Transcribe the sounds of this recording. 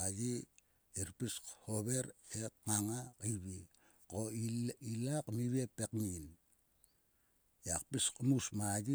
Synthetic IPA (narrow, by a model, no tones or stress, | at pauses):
ad͡ʒi | eɾpishoβe̞ɾek̚ŋaŋakiβi | koilakmiβiepekmin | jakpiskmusmad͡ʒi